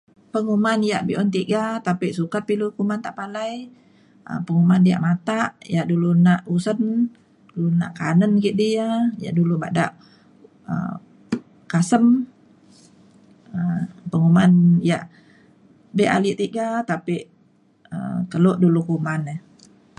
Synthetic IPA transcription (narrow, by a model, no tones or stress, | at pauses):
pəŋumanijaʔbiʔɔnt̪iɡat̪apiʔsukat̪̚pilukumant̪aʔpalaj | ə̰pəŋumandia̰ʔmat̪aʔjaʔdulunaʔusən | dulunaʔkanənɡiʔdiaja̰ʔduluba̰ʔdaʔ | ə̰m | kasəm | əmpəŋumanjaʔ | beʔa̰liʔt̪iʔɡat̪apiʔ | ə̰t̪əloʔdulukumanəh